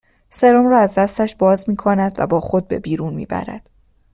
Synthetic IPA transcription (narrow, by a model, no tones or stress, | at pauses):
se̞ɾomrɒːæzd̪æst̪æʃbɒːzmiːkʰonæd̪væ̰bɒːxo̞d̪̚be̞̰biːɾuːnmḭːbæ̰ɾæ̰d̪̥